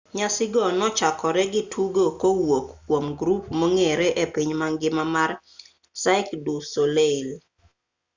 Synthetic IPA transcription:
ɲasɪɡɔnɔt͡ʃakɔɾɛɡɪtʰuɡokowokːwomɡɾupmoŋeɾɛʔepiɲmaŋɡɪmamar | saɪkdusolel

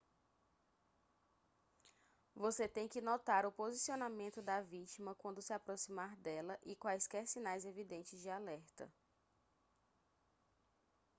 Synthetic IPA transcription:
voset̪ẽj̃kɪnɔt̪aɾʊpozisionamẽnt̪ʊd̪ɐvit͡ʃimɐkwɐ̃nd̪ʊsɪapɾosimaɾd̪ɛlɐʔikwajskɛɾsĩnajzevid̪ẽnt͡ʃɪzd͡ʒɪalɛɾt̪ɐ̰

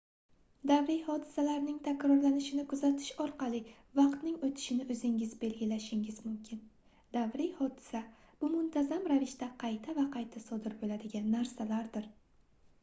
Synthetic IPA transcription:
d̪avɾijhɒd̪ɪsalaɾnɪŋt̪ʰakʲɾɒɾlanɪʃɪnɪkʰʊzat̪ʰɪ̥ʃɒɾqɑlˠɪ | vɑqt̪nɪŋot̪ʰɪ̥ʃɪnɪɵzɪŋɪzbe̞lɡʲɪlaʃɪŋʲɪzmʊmkʲʰɪn | d̪̥avɾɪjhɒd̪ɪsab̥ʊmʊnt̪ʰazamɾavɪʃt̪aqʰɑjt̪ʰavaqʰɑjt̪ʰasɒd̪ɪɾbolad̪ɪɡʲanːaɾsalaɾd̪ɪɾ

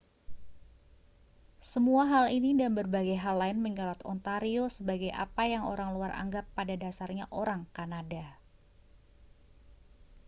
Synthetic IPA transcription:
səmuaɦalinidanbərbaɡajɦalːaɪnməɲɔlat̪ɔ̰nt̪aɾiosəbaɡajʔa̰pajaŋo̰ɾaŋluarʔa̰ŋɡapːadadasarɲaʔoɾaŋkanada

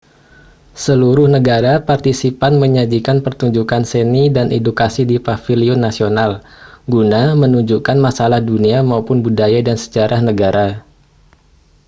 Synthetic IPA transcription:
səluɾʊhnəɡaɾapart̪isipanməɲad͡ʒikanpərt̪uɲd͡ʒukansənidanedukasidipafiliʊnːasionalɡunamənuɲd͡ʒukanmasalahduniamaupʊnbudajadansə̥d͡ʒaɾʔahnəɡaɾʔa

